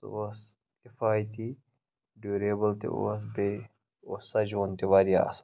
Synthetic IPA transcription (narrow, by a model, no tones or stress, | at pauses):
t̪os | kɪfaːjt̪i | ɖuːɾeːbɐlt̪ḛo̰ːs̬be | osːɐd͡ʒoːnt̪iʋaːɾia̰ːs